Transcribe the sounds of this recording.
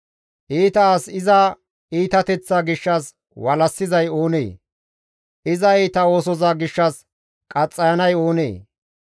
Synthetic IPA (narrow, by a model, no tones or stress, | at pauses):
ʔiːt̪ɐːsɪzɐ | iːt̪ɐt̪ɛt͡sːaːɡɪʃːɐs | wɐlɐsːɪzɐjo̞ːnḛː | ʔɪzɐiːt̪ɐo̞ːsɔzaːɡɪʃːɐs | kʼɐt͡sʼːɐjɐnɐjo̞ːnḛː